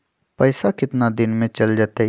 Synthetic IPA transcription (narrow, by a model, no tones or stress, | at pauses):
pɐːsakɪt̪nad̪ɪnmẽt͡ʃɐld͡ʒaːt̪e